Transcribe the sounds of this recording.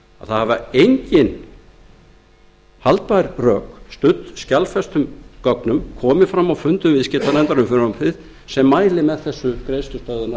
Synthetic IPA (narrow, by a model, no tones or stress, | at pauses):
a̰̥θaðhavaejɲcɪn | halt̪̚paɾ̥rœːkst̪ʏt̪scalfɛst̪ʏmkɔknʏmkʰɔːmɪfɾamːawfʏnt̪ʏvɪðscɪt̪anɛnt̪aɾʏmfɪɾnʏmfɪð | sɛmːaːjlɪmɛðθɛsːʏkɾejst̪ʏst̪œːðʏna